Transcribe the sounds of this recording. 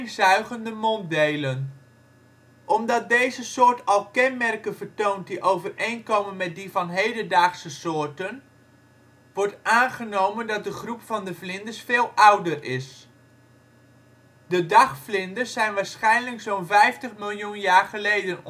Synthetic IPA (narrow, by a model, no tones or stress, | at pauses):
zœɥχəndəmɔndejlən | ʔɔmdɑt̚dejzəsʊːɹtɑlˠkɛnmɛrkənvəɹtownt̚diʔowvərejnkowmənmɛt̚divɑnɦejdədaːχsəsʊːɹtən | ʋɔɹtʔaːnχənowməndɑt̚dəχrupfɑndəflɪndəsfɪːlˠʔʌwdərɪs | dədɑχflɪndəsɛjnʋaːɹsχɛjnləksownvɛjftəχmɪlˠjunjaːɹχəlejdən